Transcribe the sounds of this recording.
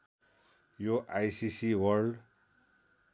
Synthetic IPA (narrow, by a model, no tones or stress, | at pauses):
joʔajsisiwʌɾɖ